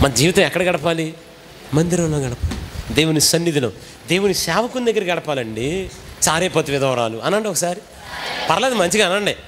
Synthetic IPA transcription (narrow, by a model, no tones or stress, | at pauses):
mɐnɐd͡ʒiːʋit̪ɐ̃mɛkːɐɽɐɡɐɽɐpaːli | mɐnd̪iɾɐmloːɡɐɽɐpaːlid̪e̞ːwunisɐnːid̪ilo̰ː | d̪e̞ːwunisaːʋɐkund̪ɐɡːɐɾɐkɡɐɽɐpaːlɐɳɖit͡ʃaːɾeːpɐt̪ːiʋɪd̪ɐʋɐɾaːluɐnːɐɳɖiɔkɐsaːɾi | pɐɾɐlɐːd̪imɐɲt͡ʃiɡaːnɐɳɖe